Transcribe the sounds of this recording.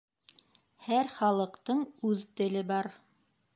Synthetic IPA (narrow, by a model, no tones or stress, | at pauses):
hæɾχɑlˠɤ̆qt̪ɤɴʉðt̪ɘ̆lɘbɑɾ